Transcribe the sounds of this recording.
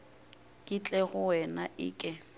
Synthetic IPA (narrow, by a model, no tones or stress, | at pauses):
kʼɪt͡ɬʼɛɣʊwɛnaʔɪ̰ːkʼɪ